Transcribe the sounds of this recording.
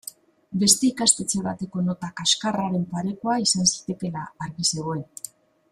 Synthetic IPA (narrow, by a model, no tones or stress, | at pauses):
be̞st̪e̞ikast̪e̞t͡se̞βat̪e̞ko̞no̞t̪akaskaraɾe̞mpaɾe̞koaisansi̥t̪e̞ke̞laːɾɣise̞ɣ̞o̞e